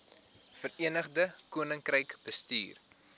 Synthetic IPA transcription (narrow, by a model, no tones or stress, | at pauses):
fəriənəχdəkuənəŋkrəjkb̥əsty̰ːr